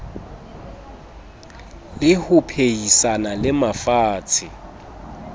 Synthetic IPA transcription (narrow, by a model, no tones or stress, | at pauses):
lɪhʊpʰeisanalɪmafaːt͡sʰɪ